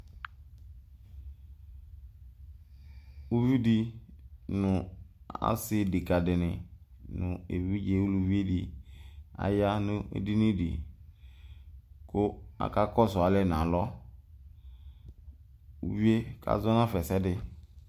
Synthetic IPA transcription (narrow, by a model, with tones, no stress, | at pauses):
u˦vi˦di˦ | nʊ˨ | a̰˦sɪ˦˨de˨ka˨dɪ˨nɪ˨nʊ̃˨ḛ˨vi˦d͡ʒe˨˦wu˦lu˨vi˦e˦di˨ | a̰˨ja˦nʊ˦ḛ˦di˦nĩ˦dḭ˨ | kʊ˦a̰˨ka˦kɔ˦sɔ˨a˦lɛ˦˨n˨ã˨lɔ˦ | ṵ˦vi˦e˦kʰa̰˦zɔ˦n˦ã˦fɛ˨sɛ˦dɪ˦